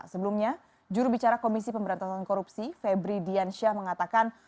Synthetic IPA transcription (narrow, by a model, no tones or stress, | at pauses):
səbəlumɲa | d͡ʒuɾubit͡ʃaɾakomisipəmbəɾant̪asankoɾupsifebɾidianʃahməŋat̪akan